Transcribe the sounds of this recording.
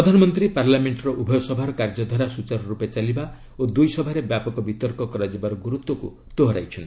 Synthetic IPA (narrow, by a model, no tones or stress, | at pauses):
pɾɔd̪ʱanɔmɔnt̪ɾipaɾlameɳʈɾɔʔubʱɔjɔsɔbʱaɾɔkaɾd͡ʒɔd̪ʱɔɾasut͡ʃaɾɔɾupet͡ʃaliba | od̪ujsɔbʱaɾebjapɔkɔbit̪ɔɾkɔkɔɾad͡ʒibaɾɔɡuɾut̪wɔkṵ | t̪oɦɾa̰jt͡ʃʰɔn